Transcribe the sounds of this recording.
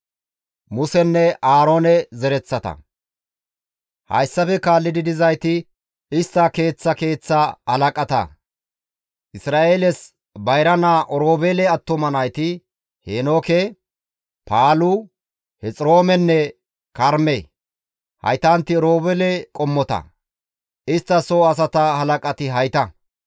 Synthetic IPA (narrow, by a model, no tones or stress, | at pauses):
mʊsɛnːɛaːɾo̞ːnɛzɛɾɛt͡sːɐt̪ɐ̰ | hɐ̰jsːɐfɛkaːlːɪd̪ɪd̪ɪzɐjt̪ɪ | ɪst̪ːɐke̞ːt͡sːɐke̞ːt͡sːɐɐlɐkʼɐt̪ɐ̰ | ʔɪsɾaːʔeːlɛs | bɐjɾɐnaːʔɔɾoːbɛlɛɐt̪ːɔmɐnɐjt̪ɪ | heːnoːkɛ | paːlʊ | hɛt͡sʼɾo̞ːmɛnːɛ | kɐɾme | hɐ̰jt̪ant̪ːɪɔɾo̞ːbɛlɛkʼɔmːɔt̪ɐ̰ | ɪst̪ːɐsoːɐs̬ɐt̪ɐhɐlɐkʼɐt̪ɪɦɐjt̪ɐ